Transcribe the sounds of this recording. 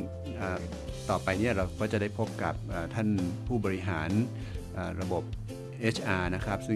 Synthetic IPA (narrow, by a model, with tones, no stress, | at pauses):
ʔəː˨˩ | t̪ɔː˨˩pa˧jni˥˩ɐɾa˧wkʰɔː˦˥˩t͡ɕa˨˩da˥˩jpʰo˦˥p̚ka˨˩p̚ʔaː˨˩t̪ʰa˥˩npʰuː˥˩bɔː˧i˦˥ɦaː˩˦n | ʔəː˨˩ɾa˧bo˨˩p̚ | ʔeː˦˥t͡ɕʰʔaː˧na˦˥kʰɾa˦˥p̚sɯ˥˩